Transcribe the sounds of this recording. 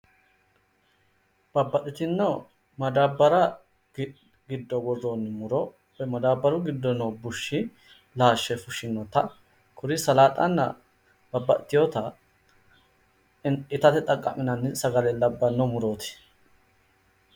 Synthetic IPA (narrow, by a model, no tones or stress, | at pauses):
b̥ɐbːɐt̪ːɪt̪ɪnːɔ | mɐd̪aːbːɐɾɐ | ɡɪd̪ːɔɡɔronːmʊɾɔ | ɛmɐd̪aːbːɐɾʊɡɪd̪ːɔnobʊʃːɪ | laːʃːɛfʊʃɪnːɔt̪ɐ | kʰʊɾɪsɐlaːt̪ʼɐ̰nːɐ̰ | b̥ɐbːɐ̰ʔt̪ːɪjot̪ɐ | ɪt̪ɐt̪ɛt̪ʼɐkʼːɐ̰mɪnɐnːɪsɐɡɐlɛlɐbːɐnːɔmʊɾoːt̪ɪ̥